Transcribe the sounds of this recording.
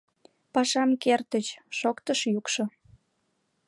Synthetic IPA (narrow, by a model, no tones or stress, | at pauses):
pɑʃɑmkert̪ət͡ɕʃokt̪əʃjukʃo